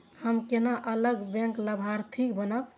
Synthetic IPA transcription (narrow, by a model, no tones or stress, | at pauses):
həmkenaʔələɡbɛ̃ŋkləbʱaɾt̪ʰikbənəb